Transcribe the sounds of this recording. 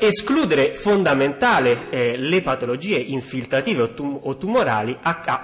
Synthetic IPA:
eskluːd̪eɾefond̪ament̪aːlelepat̪olod͡ʒiːeʔiɱfilt̪ɾat̪iːveuot̪ːumoɾa̰ːliaa

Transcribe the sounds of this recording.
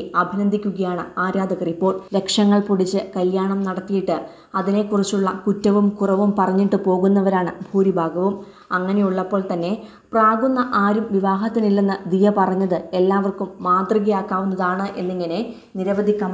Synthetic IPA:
ɐbʱinɐnd̪ʱikʲːuɣɐjaːɳɨaːɾaːd̪ɐɣɐripːo̞ːɭɾe̞kʂɐŋːɐɭpuɽit͡ɕːɨkɐljaːɳɐmnɐɽɐt̪ːijiʈːɨ | ɐðine̞kurɐt͡ɕːuɭːɐkutːɐʋumkurɐʋumpɐrɐɲːiʈːɨpo̞ːɣunːɐʋɐɾaːɳɨbʱuːɾibʱaːɡɐʋum | ɐŋːɐne̞juɭːɐpːo̞ːɭt̪ɐnːe̞ | praːɡunːɐʔaːɾumʋiʋaːɦɐt̪ːinilːɐnːɐd̪ijɐpɐrɐɲːɐðɨe̞lːaːʋɐrkumːaːd̪riɣɐjaːkːaːʋunːɐðaːɳɨʔe̞nːiŋːɐne̞ | niɾɐʋɐd̪ʱikʲːam

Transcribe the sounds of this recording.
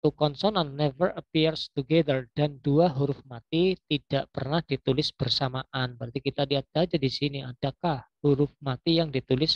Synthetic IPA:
t̪ukɔnsɔnanːɛvərʔəpirst̪uɡed̪ərdanduaɦuɾʊfmat̪it̪id̥aʔpərnahd̥it̪ulɪsb̥ərsamaʔanbɾart̪ikit̪adiat̪̚b̥ad͡ʒadisiniad̥akahhuɾʊfmat̪ijaŋdit̪ulɪs

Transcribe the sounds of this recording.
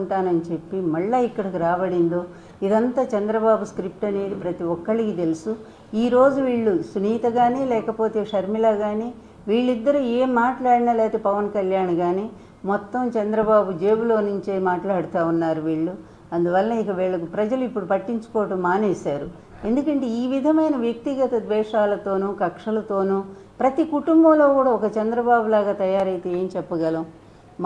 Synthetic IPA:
ɳʈaːnɐnit͡ʃe̞pːimɐɭːaikːɐɽɐkiɾaːbɐɽind̪o̞ː | id̪ɐnt̪aːt͡ʃɛnd̪ɾɐbaːbuskɾip̚ʈɐne̞ːd̪ipɾɐt̪iʋɔkːɐɭikit̪e̞lusu | iːɾoːd͡ʒuʋiːɭːusuniːt̪ɐɡaːniːlɛːkɐpo̞ːt̪e̞ːʂɐɾmilɐɡaːni | ʋiːɭːid̪ːɐɾueːmːaːʈlaːɽinɐlɛːt̪epɐʋɐnkɐljaːnɡaːni | mɔt̪ːɐmt͡ʃɐnd̪ɾɐbaːbud͡ʒeːbuloːnuɲt͡ʃeːmaːʈlaːɽut̪aːunːaːɾuʋiːɭːu | ɐnd̪uʋɐlɐnɐikɐʋiːɭːɐkpɾɐd͡ʒɐluipːuɽupɐʈːiɲt͡ʃu̥koːʈɐmːaːneːʃaːɾu | e̞nd̪ukɐɳʈe̞iːʋid̪ʱɐmɐjnɐʋjɐk̚t̪iɡɐt̪ɐd̪ʋɛːʂaːlɐt̪o̞ːnuːkɐkʂɐlɐt̪o̞ːnu | pɾɐt̪ikuʈumbɐmlo̞ːkuːɽaːɔkɐt͡ʃɛnd̪ɾɐbaːbulaːɡaːt̪ɐjaːɾɐjt̪eːeːmt͡ʃɛpːɐɡɐlɐm

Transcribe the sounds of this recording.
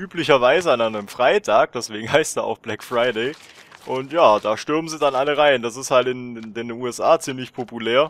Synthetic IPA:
ʔyːplɪçɐvaɪzəanaɪnəmfʁ̥aɪtʰaːk̚d̥ɛsv̥eːɡŋ̩ɦaɪsta̰ːa̰ʊxb̥lɛkfʁ̥aɪdeɪ | ʔʊntjaːd̥aːʃtʏɐbmənziːdanʔaləʁaɪəndas̬ɪsthaltɪnndeːnːnuːɛsʔaːt͡siːmlɪçpʰopuleːɐ

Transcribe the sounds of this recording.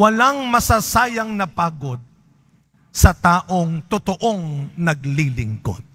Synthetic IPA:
wɐlaŋmɐsasaːjɐŋnɐpaːɡod̪̚ | sɐt̪aːʔoŋt̪ʊt̪oʔoŋnɐɡlilɪŋko̰d̪̚

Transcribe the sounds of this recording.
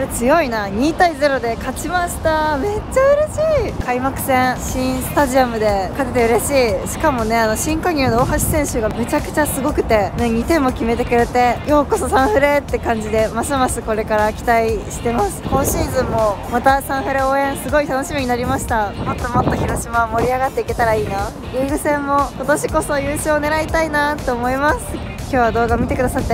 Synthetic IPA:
ɾe̞t͡sɨjo̞inaɲ̟iːt̪aize̞ɾo̞d̪e̞kat͡ɕimaɕi̥t̪ame̞t͡ɕaɯ̟ɾe̞ɕiːkʰaimakɯ̟̥sẽ̞ɰ̃ɕĩɰ̃sɨ̥t̪aʑiamɯ̟d̪e̞kat̪e̞t̪eɯ̟ɾe̞ɕiːɕi̥kamo̞ne̞ano̞ɕĩŋkaɲ̟ɯːnooːɦaɕi̥sẽ̞ɰ̃ɕɨɡame̞t͡ɕakɯ̟̥t͡ɕasɨɡo̞kɯ̟̥t̪e̞ne̞ɲ̟it̪ẽ̞mːo̞kʲime̞t̪e̞kɯ̟ɾe̞t̪e̞jo̞ːko̞so̞sãɰ̃ɸɯ̟ɾe̞t̪ːe̞kãɲ̟d͡ʑid̪e̞masɨmasɨko̞ɾe̞kaɾakʲi̥t̪aiɕi̥t̪e̞masɨ̥ko̞ːɕiːzɨ̃mːo̞mat̪asãɰ̃ɸɯ̟ɾe̞o̞ːẽ̞ɰ̃sɨɡo̞it̪ano̞ɕimiɲ̟inaɾʲimaɕi̥t̪amo̞t̪ːo̞mo̞t̪ːoçiɾo̞ɕimaomo̞ɾʲiaɡat̪ːe̞ike̞t̪aɾaiːna | jɯːɡɯ̟sẽ̞mːo̞ko̞t̪o̞ɕiko̞so̞jɯːɕoːne̞ɾait̪ainat̪ːo̞ːmo̞imasɨ | kʲo̞ːβad̪oːɡamʲit̪e̞kɯd̪asat̪ːe

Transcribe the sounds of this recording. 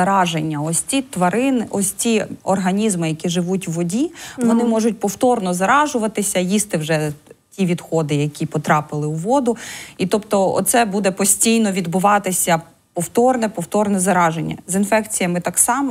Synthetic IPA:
ɐɾɑʒenʲːɐɔsʲt͡sʲit̪ʋɐɾɪnʔɔsʲt͡sʲiɔrɦɐnʲizmɪjɐkʲiʒɪʋutʲwːɔdʲiʋɔnɪmɔʒʊtʲpɔwt̪ɔrnɔzɐɾɑʒʊʋɐt̪ɪsʲɐjist̪ɪwʒɛtʲiʋʲid̪xɔd̪ɪjɐkʲipɔt̪ɾɑpɪlˠɪwʋɔd̪ʊit̪ɔpt̪ɔɔ̰t̪sɛbud̪ɛpɔsʲtʲijnɔʋʲid̪bʊʋɑt̪ɪsʲɐ | pɔwt̪ɔrnɛpɔwt̪ɔrnɛzɐɾɑʒenʲːɐ̰zinfɛkt͡sʲijɐmɪt̪ɑksɑmɔ

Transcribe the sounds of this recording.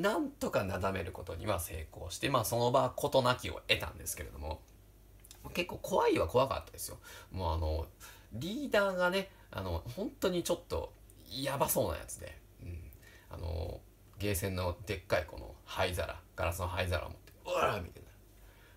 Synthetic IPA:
nãnt̪o̞kanazame̞ɾɯ̟ko̞t̪o̞̰ɲ̟ḭβase̞ːko̞̰ːɕi̥t̪e̞maːso̞no̞baːkʰo̞t̪o̞nakʲio̞̰e̞t̪ã̰nd̪e̞sɨ̥ke̞ɾe̞d̪o̞mo̞̰ | make̞kːo̞ːkʰo̞βaiβako̞βaka̰t̪ːad̪e̞sɨ̥jomoːano̞ | ɾʲiːd̪aːɡane̞ | a̰no̞hõ̞nt̪o̞ɲ̟it͡ɕo̞t̪ːo̞̰ | jabaso̞ːna̰ja̰t͡sɨd̪e̞̰ | ɯ̟̃ɴ | a̰no̞̰ | ɡe̞ːsẽ̞nːo̞d̪e̞kːaiko̞̰no̞̰haiza̰ɾa̰ɡ̥aɾasɨno̞ɦaizaɾʔa̰o̰mot̪ːeɯmʲḭt̪ena

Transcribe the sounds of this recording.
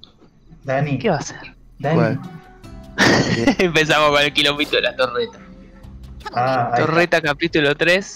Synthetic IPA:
d̪anikeβaseɾ | d̪ana | empes̬amohkonelkilomit̪oðelat̪oret̪a | at̪oret̪akapit̪ulot̪ɾes

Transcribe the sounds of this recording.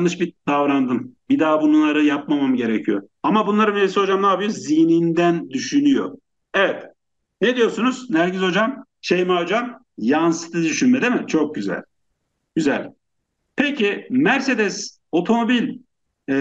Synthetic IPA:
nˠɯʃbid̪avɾand̪ɯmbid̪aːbununˠaɾɯjap̚mamamɯɟe̞ɾecʰijo | amabunlˠaɾɯnveɾisiɦo̞d͡ʒamaːbijozinind̪ænd̪yʃynyjo̞̰ | evɛt̪ | ned̪ijo̞ɾsunuz̥næɾɟizo̞d͡ʒam | ʃejmad͡ʒan | jansɯ̥t̪ʰɯd̪yʃynmed̪imɪt͡ʃʰo̞k̚ɟyzæ̰lʲ | ɟyzælʲ | pʰecʰimæɾse̞d̪ɛs | o̞t̪ʰo̞mo̞bilʲ

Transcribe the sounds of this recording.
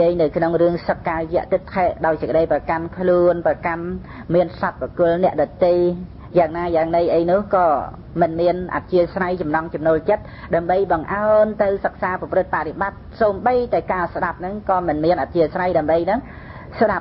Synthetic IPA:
iəjnɨwkʰnoŋrɨəŋsəkːaːjɛ̆əʔt̪ɨt̪ʰɛːʔɗaɔjsəkə̆ɗəjprɑkankʰluənprakan | miənsat̪̚pɔkʊ̆əlnɛ̆əʔɗɑt̪ːe | jaːŋnaːjaːŋnəjʔəjnʊ̆əhkɑː | mɨnmiənʔa̰t̪̚t͡ɕiəsrajt͡ɕɑmnɑŋt͡ɕɑmnoːlt͡ɕət̪̚ɗaəmɓəjɓɑŋʔaənt̪ɨwsək̚saːpɑprɨt̪̚paʔreɓat̪̚soːmɓəjt̪aɛkaːsɗap̚nɨŋkɑːmɨnmiənʔat̪̚t͡ɕiəsrajɗaəmɓəjnɨŋ | sɗap̚

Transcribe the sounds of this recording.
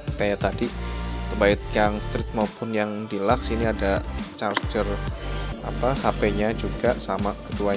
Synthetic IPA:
kajaʔt̪adit̪ərbaɪt̪̚jaŋst̪ɾɪt̪̚maupʊnjaŋdilaksiniadat͡ʃart͡ʃər | a̰pahapeɲad͡ʒuɡaʔsamakət̪ua

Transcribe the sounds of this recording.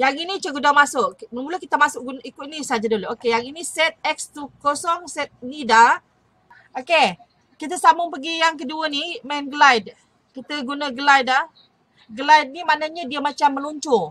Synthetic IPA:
jaŋinit͡ʃəɡudamasʊʔməmuləkit̪amasʊʔɡunʔikʊinisad͡ʒadoloʔokejaŋinisɛt̪̚ɛk̚st̪ukosɔŋsɛt̪̚nida | oke | kit̪̬əsamʊŋpəɡijaŋkəduənimɛnɡəlajd̚ | kit̪əɡunəɡəlajda | ɡəlajd̚nimanəɲədiəmat͡ʃamːəluɲt͡ʃʊ

